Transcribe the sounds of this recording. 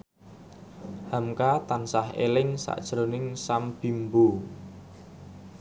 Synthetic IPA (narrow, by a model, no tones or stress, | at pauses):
hamkat̪ansahḛlɪŋsa̰ʔd̥ʒ̥ɾonɪŋsamb̥i̤mbu